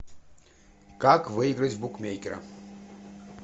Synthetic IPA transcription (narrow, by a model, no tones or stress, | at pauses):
kakvɨiɡɾətʲvbukmʲejkʲɪɾɐ̰